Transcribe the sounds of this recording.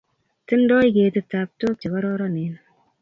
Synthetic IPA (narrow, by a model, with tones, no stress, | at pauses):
tɨ˦n̩˦dɔ˦i˦ɡeː˨tɨ˦ta˨p̚to˦t͡ʃi˨kɔ˦ɾɔ˦ɾɔ˦ne˨n˦